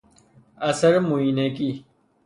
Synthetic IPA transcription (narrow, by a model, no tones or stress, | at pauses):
ɐsɐɾmuineki